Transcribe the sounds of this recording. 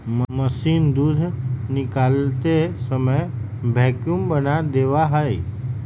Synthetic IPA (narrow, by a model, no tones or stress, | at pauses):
mməsiːnd̪uːd̪ʱnɪkaːlt̪esəməj | bʱɛːkumbənad̪eːʋaɦəi